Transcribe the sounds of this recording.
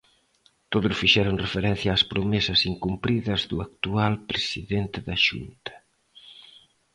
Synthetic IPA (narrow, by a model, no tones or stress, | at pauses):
t̪oðʊsfiʃɛɾoŋrefeɾɛn̟θjaːspɾomesɐsiŋkumpɾiðɐzðuak̚t̪ualpɾesiðent̪ɪðɐʃṵnt̪ɐ̥